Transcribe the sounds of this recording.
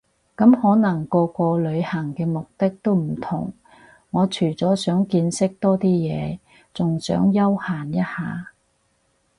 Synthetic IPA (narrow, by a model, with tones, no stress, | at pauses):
kɐ˨˥mhɔː˨˥nɐ˨˩ŋkɔː˧kʷɔː˧lɵ˨˧ɥhɐ˨˩ŋkɛː˧mʊ˨k̚t̪ɪ˥k̚t̪o˥wm̩˨˩t̪ʰʊ̰˨˩ŋː | ɔː˨˧t͡ʃʰyː˨˩t͡sɔː˨˥sœː˨˥ŋkiː˧nsɪ˥k̚t̪ɔː˥t̪iː˥jɛː˨˧ | t͡sʊ˨ŋsœ̰ː˨˥ŋjɐ˥whaː˨˩njɐ˥t̚haː˨˧